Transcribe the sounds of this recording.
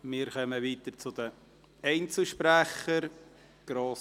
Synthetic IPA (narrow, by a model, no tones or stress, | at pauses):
mɪːɾkœməʋiːt̪ət͡sʊd̥̪ə | ɛɪnt͡sl̩ʃpɾæχəɾ | ɡ̥ɾoːs